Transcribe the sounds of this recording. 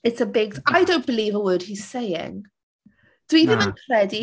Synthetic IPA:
ɪtsəbɪɡ̚aɪdõʊ̃nb̥ɪliːvəwɜːd̥̚hiz̥seɪɪ̰̃ŋ | ð̥wiðɪ̃nãkʰɹ̥ɛdi

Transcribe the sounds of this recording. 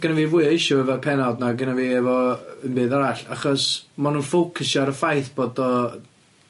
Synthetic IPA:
ɡənaviːvuɨɪʃɔɛvɔpʰɛnadnaɡənaviːɛvɔənbɨːðɔɾaɬaχɔsmanunfowkʰəsjɔɾəfajθb̥oːdɔ

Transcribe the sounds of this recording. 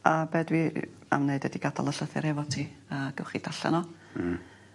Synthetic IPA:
abɛdwi | a̰mneɨdədiɡadalˠəɬəθɛɾɛvɔtʰiːəːɡ̥ɛwχid̥aɬɛ̰nɔ

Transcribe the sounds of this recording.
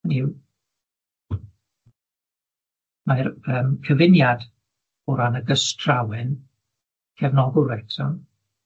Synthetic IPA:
niw | majɾəːmkʰəvɪnjad | ʊɾanəɡəstʰrawɛn | kʰɛvnɔɡʊlˠwɛtʰɔn

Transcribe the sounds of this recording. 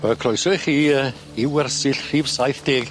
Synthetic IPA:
əkʰrɔjsɔjχiːə | ɪwɛrsɪɬr̥ivsajθd̥eːɡ̥

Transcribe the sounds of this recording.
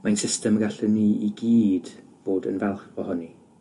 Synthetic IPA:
majnsɪstəmɡaɬɛniiɡiːd̥v̥oːdə̰nvɛlˠχɔhʊni

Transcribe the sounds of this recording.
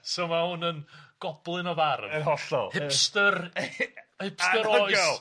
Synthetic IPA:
somahʊnənɡ̥ɔb̥lˠɨnɔvarvəɦɔɬɔ̰lˠhɪpstər | hɪpsəɾɔjs

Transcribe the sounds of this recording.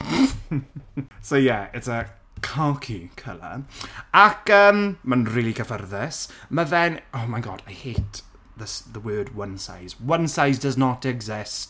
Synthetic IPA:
sojɛɪtsə | kʰɔkʰikʰə̰lˠa̰akəːmːənriːlˠikʰəfərðɛsməvɛnomajɡɔ̰d̥ajheːt | ðəsðəwɜːd̚wənsa̰jzwənsajzdəznɔtɛɡzɪst

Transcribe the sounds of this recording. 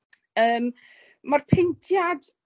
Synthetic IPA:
əːmː | arpʰentʰjad

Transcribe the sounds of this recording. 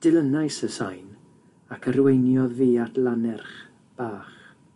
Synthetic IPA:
d̥ɪlˠənajsəsajn | akʰəɾwejnjɔðviːatʰlˠanɛrχ | b̥aːχ

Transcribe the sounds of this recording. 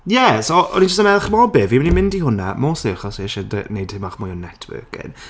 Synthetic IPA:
jɛsoʔɔ̰nid͡ʒəstəmɛlˠχmɔbɪvimnimɪndihʊnamoːsɪχɔsiɛʃɛdə̰nejd̥hɪmaχmʊjɔnɛtʰwə̰kɪ̰n

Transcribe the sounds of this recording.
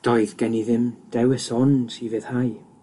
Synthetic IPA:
d̥ɔɨðɡ̥ɛniðɪmd̥ɛwɪsɔnsivɨð̥haj

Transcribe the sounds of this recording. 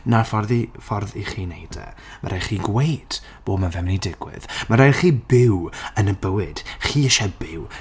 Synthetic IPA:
nafɔrðifɔrðiχiːnejdɛ̰ma̰ɾʔajχiːɡwejd̥ | b̥oːbmanvɛmnidɪɡwɪ̰ð̥maɾajχiːbɪwənəbəwɨd̥χiːəʃɛbɪw

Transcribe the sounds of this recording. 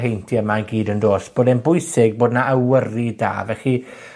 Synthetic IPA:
ɦejntʰiəmaənɡiːdəndoːsb̥oːdɛnbʊɨsɪɡ̚boːdnaʔəwərida̰ːvɛχi

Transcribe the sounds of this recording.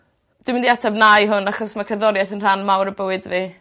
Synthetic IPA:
d̥ɪmɪndiatʰabnajɦʊnaχɔsmakʰərðɔɾjaθənr̥anmawɾəbəwɨdvi

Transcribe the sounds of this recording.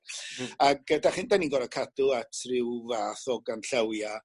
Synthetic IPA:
aɡ̥̚ədaχɪndaninɡɔɾakʰadʊatʰrɪwvaːθɔɡanɬəwja

